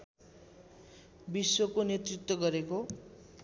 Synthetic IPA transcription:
biswokonjet̪rit̪wʌɡʌɾeko

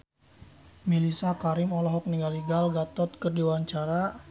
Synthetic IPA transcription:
milisakaɾɪmɔlɔɦɔk̚niŋɡaliɡalɡat̪ɔt̪̚kərdiwaɲt͡ʃaɾa

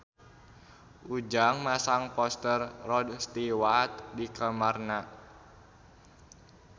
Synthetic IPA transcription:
ʔud͡ʒaŋmasaŋpɔst̪ərːɔdst̪iwat̪̚dikəmarna

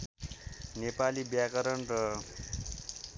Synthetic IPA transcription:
nepalibjakʌɾʌnrʌ

